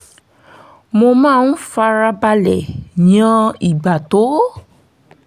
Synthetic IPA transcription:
mo˧mãː˦˨n̩˦fa˧ɾa˧ba˧lɛ̰˨ɲã˧i˨ɡ͡ba˨to˨˦

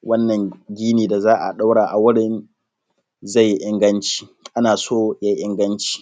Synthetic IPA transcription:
wɐ˦nːɐ˨ŋɡʲiː˦niː˨da˨zaː˦ʔa̰˨ɗa˦wɽaː˨ʔa˨wʊ˦ɽɪ˨n | za˦˨jːi˦ʔɪ˦ŋɡɐ˦nt͡ʃi̥ː˦ʔa˦naː˨soː˦ja˦ʔɪ˦ŋɡɐ˦nt͡ʃi̥ː˦˨

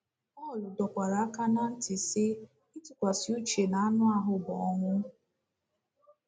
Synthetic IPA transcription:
ɔ˦˨lʊ˨dɔ˨kʷa˨ɾa˨˦a˦ka˦na˦n̩˦tɪ˨sɪ˦ | i˦tʊ˨kʷa˨sɪ˨u˦t͡ʃe˨na˨a˦nʊ˦a˨ɦʊ˨bɔ˨ɔ˦ŋʷʊ˦

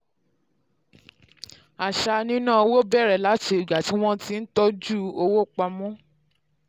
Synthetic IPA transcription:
a˨ʃa˧nĩ˦nãː˦˨o˧wo˦bɛ˦˨ɾɛ˨la˨˦t͡ʃe˧˦i˨ɡ͡ba˨˦ti˨˦w̃ɔ̃˦ti˧n̩˦tɔ˦d͡ʒu˦˨o˧wo˦k͡pa˧mɔ̃˦

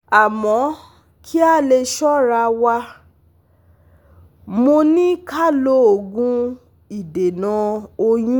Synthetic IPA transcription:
a˨mɔ̃˨˦ | kʰi˦a˦˨le˧ʃɔ˦ɾa˧wa˧ | mo˧nĩ˦ka˦˨lo˧˦o˨ɡũ˧ | i˨de˨nã˨˧o˧jũ˦

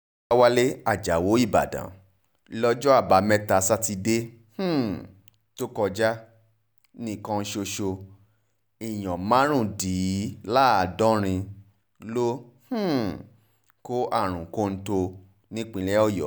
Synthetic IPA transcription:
a˦wa˧˦le˦a˦˨d͡ʒa˨wo˨˦i˦˨ba̰˨dã̰˨˦ | lɔ˦d͡ʒɔ˦a˦˨ba˨˦mɛ̃˦ta˧˦sa˦ti˧de˦ | h̩˦˨ | to˦kɔ˧d͡ʒa˦ | nĩ˦˨kã˧n̩˧ʃo˧ʃo˧ | i˨j̃ɔ̃˨mã˨˦ɾ̃ũ˦˨di˨˦la˦a˨dɔ̃˦ɾ̃ĩ˧ | lo˦h̩˦ | ko˦ʔa˦˨ɾ̃ũ˨ko˧˦˧n̩˦to˧ | nĩ˦k͡pĩ˧lɛ˦ɔ˦˨jɔ̰˨

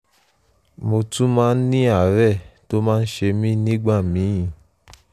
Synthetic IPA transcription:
mo˧tũ˦mãː˦n̩˦nĩ˦a˦˨˦ɾɛ˦˨to˦mãː˦˧n̩˦ʃe˧mĩ˦nĩ˦ɡ͡ba˦˨mĩ˨˦ĩ˨

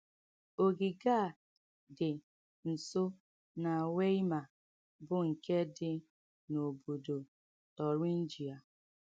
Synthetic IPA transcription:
o˨ɡi˨ɡa˦˨ | dɪ˨ | n̩˨sʊ˦ | na˨we˦i˦ma˨ | bʊ˦ŋ̩˨ke˦dɪ˨ | no˨bo˨do˨ | tɔ˨ɾi˦n̩˦d͡ʒi˨a˨

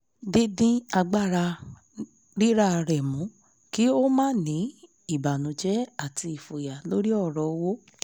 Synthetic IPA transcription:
di˦dĩ˦a˧ɡ͡ba˦˨ɾa˧ | ɾi˦ɾa˦˧ɾɛ˨mũ˨˦ | ki˦o˦mãː˦˨nĩ˨˦ | i˦˨ba˨nũ˨˦d͡ʒɛ˦a˦˨ti˧i˨fo˨ja˨lo˦ɾi˦ɔ˦˨ɾɔ˨˦wo˦

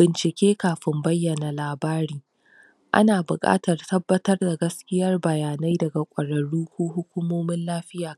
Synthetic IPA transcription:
b̥ɪ˨nt͡ʃɪ˨kʲeː˦kaː˨ɸɪ˦mbɐ˦jːɐ˨na˨laː˨baː˦ɾiː˦ | ʔa̰˦naː˨bʊ˨kʼa̰ː˦tɐ˨rtɐ˦bːɐ˦tɐ˦rda˨ɡɐ˦skʲɪ˦jɐ˦rbɐ˨jaː˨na˦jdɐ˨ɡa˨kʷʼɐ˨ɽɐ˨ɽuː˦kʷuː˦ɦʊ˦kʷuː˦moː˦mɪ˦nlaː˦ɸɪ˦jaː˨

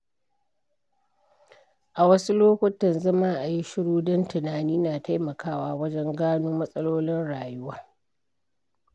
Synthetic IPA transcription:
ʔa˨wɐ˦su˦loː˦kʷʊ˦tɐ˨nzɐ˦maː˦ʔa˨ji˦ʃɪ˦ɽuː˦dɐ˦ntɪ˨naː˨niː˦naː˨ta˦jmɐ˨kʰaː˦waː˨wɐ˦d͡ʒɛ˦ŋɡaː˦noː˦mɐ˦sʼɐ˦loː˦lɪ˦nɽaː˨jʊ˦waː˦

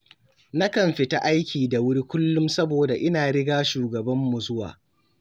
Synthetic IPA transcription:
na˦kɐ˨mɸɪ˨ta˦ʔa˦jkʲʰiː˨da˨wʊ˦ɽi˦kʷʊ˦lːʊ˦msɐ˦boː˨da˨ʔɪ˦naː˨ɽɪ˦ɡaː˦ʃuː˨ɡɐ˨bɐ˦mːu˨zʊ˦wa̰ː˨

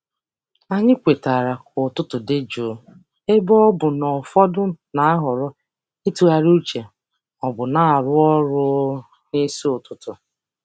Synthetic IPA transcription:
a˨ɲɪ˦kʷe˨ta˨ɾa˨kʊ˨tʊ˦tʊ˨dɪ˦d͡ʒo˨ | e˦bɔ˦ɔ˦bʊ˨nɔ˨fɔ˦dʊ˦na˨˦ɦʊ˨ɾɔ˦ | i˦tu˨a˨ɾu˦t͡ʃe˨ | ɔ˨bʊ˨na˦a˨ɾʊ˦ɔ˦ɾʊ˦ | ne˦si˦ʊ˨tʊ˨tʊ˨

